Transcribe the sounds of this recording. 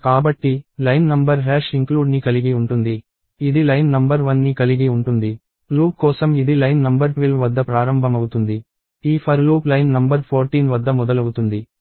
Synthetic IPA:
kaːbɐʈːilɐjnnɐmbɐɾɦɛːʂiŋkluːɖnikɐliɡiuɳʈund̪i | id̪ilɐjnnɐmbɐɾʋɐnːikɐliɡiuɳʈund̪i | luːp̚kɔːsɐmid̪ilɐjnnɐmbɐɾpilʋɐd̪ːɐpɾaːɾɐmbʱɐmɐwut̪und̪i | iːpʰɐɾluːplɐjnnɐmbɐɾpʰoːɾʈiːnʋɐd̪ːɐmɔd̪ɐlɐwut̪und̪i

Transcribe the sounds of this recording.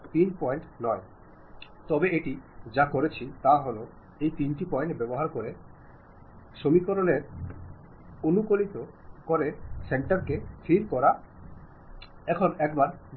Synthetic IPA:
t̪inpɔjɳʈnɔe | t̪ɔbeeʈid͡ʑakoɾet͡ɕʰit̪aɦolo | ejt̪inʈipɔeɳʈbɛboɦaɾkoɾe | ʃomikoɾoneɾ | onukolit̪okoɾeseɳʈaɾket̪ʰiɾkɔɾa | ɛkʰonɛkbaɾ

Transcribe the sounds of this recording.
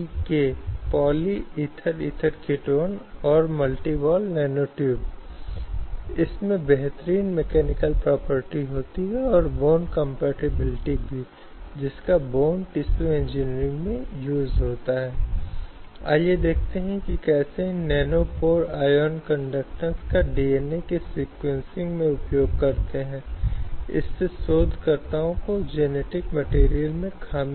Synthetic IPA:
kepɔːliit̪ʰəɾḭːt̪ʰəɾkɪʈoːnɔːɾmɐlʈibɔːlnɛːnoːʈjuːb̚ | ɪsmẽbɛɦt̪əɾiːnmekɛːnɪkəlpɾɔːpəɾʈiɦoːt̪iɦɛɔːɾboːnkə̃mpɛːʈɪbɪlɪʈibʱi | d͡ʒɪskaboːnʈɪsuẽnd͡ʒɪːnɾɪ̃ŋɡmẽjuːzɦoːt̪aɦɛː | a̰ːjed̪eːkʰt̪eɦɛ̃kikɛːsenɛːnopoːɾaːjɔːnkə̃ɳɖək̚ʈəɾskaɖiːeːnekesiːkwẽnsɪ̃ŋɡmẽʊpjoːɡ̚kɐɾt̪eɦɛ̃ːɪ̰sːesoːd̪ʱkəɾt̪aõkod͡ʒeːneːʈɪkmɐʈeːɾijəlmẽkʰaːm

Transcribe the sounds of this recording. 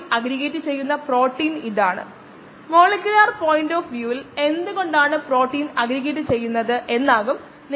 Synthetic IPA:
mɐɡɾiɣeːʈːɨt͡ɕe̞jːunːɐpro̞ːʈːiːniðaːɳɨ̰ | mo̞ːɭekʲjulaːrpo̞ːjinɖoːfʋjuːile̞nd̪ɨɣo̞ɳɖaːɳɨpro̞ːʈːiːnɐɡɾiɣeʈ̬ːɨt͡ɕe̞jːunːɐðɨʔe̞nːaːɣum | n

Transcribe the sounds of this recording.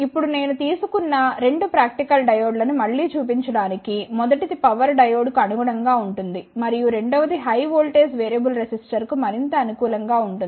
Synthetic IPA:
ipːuɽune̞ːnut̪iːsukunːɐɾe̞ɳɖupɾaːk̚ʈikɐlɖɐjoːɖlɐnumɐɭːiːt͡ʃuːpiɲt͡ʃɐɽaːnikimɔd̪ɐʈit̪ipɐʋɐɾɖɐjoːɖkuɐnuɡɐɽɐŋɡaːuɳʈund̪imɐɾijuɾe̞ɳɖɐʋɐd̪iɦɐjʋoːlʈeːsʋeːɾijɐbulɾesisʈɐɾkumɐɾint̪ɐːnukuːlɐŋɡaːuɳʈuni

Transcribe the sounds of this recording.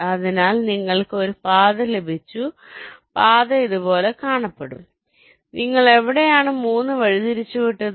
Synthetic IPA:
ɐðinaːlniŋːɐɭkɨo̞ɾupaːðɐlebʱit͡ɕːu | paːðɐiðubo̞ːle̞kaːɳɐpːeɽṵm | niŋːɐɭe̞ʋiɽejaːɳɨmuːnːɨʋɐɻit̪iɾit͡ɕːuʋiʈːɐð

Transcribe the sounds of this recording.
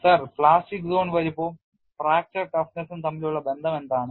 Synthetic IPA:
sɐrpɭaːsʈikːsoːɳʋɐɾipːoː | fɾaːk̚t͡ɕɐrʈɐfnɐsumt̪ɐmːiluɭːɐbe̞nd̪ʱɐmend̪aːɳɨ

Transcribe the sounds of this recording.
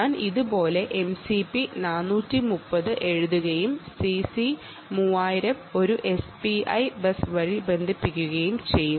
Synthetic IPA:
aːniðubo̞ːle̞ʔemsipinaːnːuːtːimupːɐðɨʔe̞ɻuðuɣɐjumsisi | muːaːjiɾɐmo̞ɾuʔe̞spiɐ̰jbɐsʋɐɻibe̞nd̪ʱipːikʲːuɣɐjumt͡ɕe̞jːu

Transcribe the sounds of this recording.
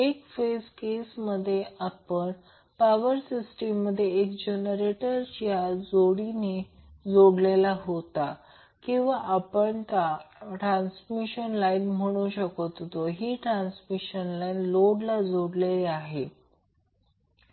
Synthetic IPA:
ekfeskesməd̪ʱːjeʔapəɳ | paʋəɾsisʈemːəd̪ʱːjeːkd͡ʑenəɾeʈəɾt͡ɕjad͡zoɽine | d͡zoɽlelaɦot̪a | kĩw̃ʋaʔapəɳt̪aʈɾansmiɕənlajnm̤əɽ̃uːɕəkot̪ot̪oɦiːʈɾansmiɕənlajnloɽlad͡zoɽleleaɦe

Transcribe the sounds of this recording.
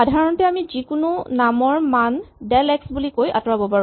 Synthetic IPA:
adʱaɹɔntɛamizikʊnʊnamɔɹmandɛlɛksbulikoja̰tɔɹabɔpaɹ

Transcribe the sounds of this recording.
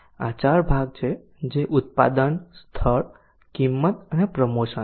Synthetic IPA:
a̰t͡ʃaɾbʱaɡ̚t͡ʃʰe | d͡ʒeʔut̪̚pa̰d̪ənst̪ʰəɾ | kimːət̪əɦẽpɾəmosə

